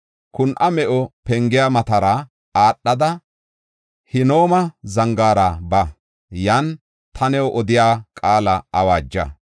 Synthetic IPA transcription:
kʊnʔɐmɛʔɔpɛŋɡɪjaːmɐt̪ɐɾa | aːɗːɐd̪ɐ | hɪno̞ːmɐzɐŋɡaːɾabɐ | jan | t̪ʰɐnɛwʔɔd̪ɪjaːkʼaːlɐɐwaːd͡ʒːɐ̰

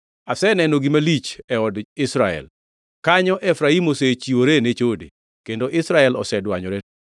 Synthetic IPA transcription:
asɛnɛnoɡimalit͡ʃɛɔdɪsɾaɛ̰l | kaɲɔʔɛfɾaimoset͡ʃiwoɾenet͡ʃodḛ | kendoʔɪsɾaɛlɔ̰sɛdwaɲɔɾe

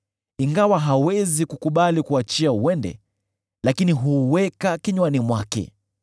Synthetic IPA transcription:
iŋɡawaɦawɛzikukuɓalikuat͡ʃiauwɛndɛ̰ | lakiniɦuwɛkakiɲwanimwakɛ̰

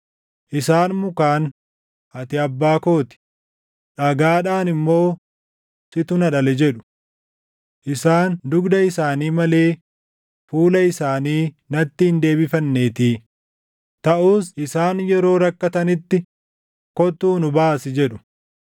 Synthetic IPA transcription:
ʔɪsaːnmʊkaːn | ʔɐt̪ɪɐbːaːko̞ːt̪ɪ̥ | ᶑɐɡaːᶑaːnɪmːo̞ː | sɪt̪ʊnɐᶑɐlɛd͡ʒɛᶑʊ̥ | ʔɪsaːnd̪ʊɡd̪ɐɪsaːniːmɐle̞ː | fuːlɐɪsaːniː | nɐt̪ːɪhɪnd̪e̞ːbɪfɐnːeːt̪iː | t̪ɐʔuːsɪsaːnjɛɾo̞ːɾɐkːɐt̪ɐnɪt̪ːɪ | kɔt̪uːnʊbaːsɪd͡ʒɛᶑʊ̥

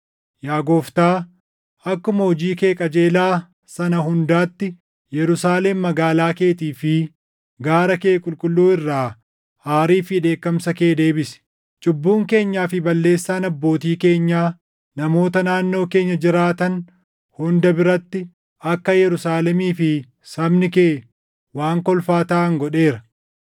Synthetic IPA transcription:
jaːɡoːft̪aː | ɐkːʊmɐhɔd͡ʒiːke̞ːkʼɐd͡ʒeːlaː | sɐnɐɦʊnd̪aːt̪ːɪ | jɛɾʊsaːleːmːɐɡaːlaːke̞ːt̪iːfɪ | ɡaːɾɐkeːkʼʊlkʼʊlːuːɪrːaː | haːɾiːfɪᶑe̞ːkːɐmsɐke̞ːd̪e̞ːbɪsɛ̥ | t͡ʃʼʊbːuːŋke̞ːɲːaːfɪbɐlːe̞ːsːaːnɐbːo̞ːt̪iːke̞ːɲːaː | nɐmo̞ːt̪ɐnaːnːo̞ːke̞ːɲːɐd͡ʒɪɾaːt̪ɐn | hʊnd̪ɐbɪɾɐt̪ːɪ | ɐkːɐjɛɾʊsaːlɛmiːfɪ | sɐbnɪkeː | waːŋkɔlfaːt̪aːŋɡɔᶑe̞ːɾɐ

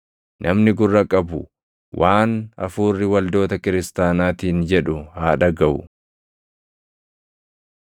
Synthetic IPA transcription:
nʔɐmnɪɡʊrːɐkʼɐbʊ | wʔaːnɐ̰fuːrːɪwɐld̪o̞ːt̪ɐkɪɾɪst̪aːnaːt̪iːnd͡ʒɛᶑʊhaːᶑɐɡɐʊ̰

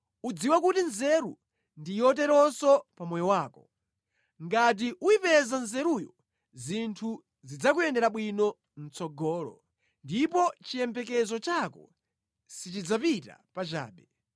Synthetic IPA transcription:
ud͡ziwakutinzɛɾu | ndijɔt̬ɛɾɔsɔpamɔjɔwaːkɔ | ŋɡat̬iʔuipɛzanzɛɾujɔ | zintʰu | zid͡zakujɛndɛɾaɓwinɔ | n̩t͡sɔɡɔːlɔ̰ | ndipɔt͡ʃijɛmpɛk̬ɛzɔt͡ʃakɔ̰ | sit͡ʃid͡zapita̰pat͡ʃa̰ːɓɛ

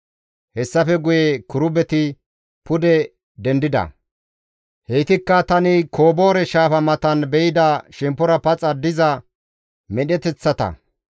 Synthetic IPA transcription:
hɛsːɐfɛɡʊjekʊɾʊbɛt̪ɪ | pʊd̪ɛ | d̪ɛnd̪ɪd̪ɐ̰ | hɛjt̪ɪkːɐt̪ɐnɪkʰoːbo̞ːɾɛʃaːfɐmɐt̪ɐnbɛjɪd̪ɐʃɛmpːɔɾɐpɐt͡sʼɐd̪ɪzɐ | mɛɗɛt̪ɛt͡sːɐt̪ɐ̰

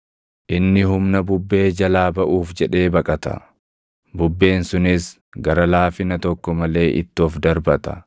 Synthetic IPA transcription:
ʔɪnːɪɦʊmnɐbʊbːe̞ːd͡ʒɐlaːbɐʔuːfd͡ʒɛᶑe̞ːbɐkʼɐt̪ɐ̰ | bʊbːe̞ːnsʊnɪs | ɡɐɾɐlaːfɪnɐt̪ɔkːɔmɐle̞ːʔɪ̰t̪ːɪɔfd̪ɐɾbɐt̪ɐ̥̰

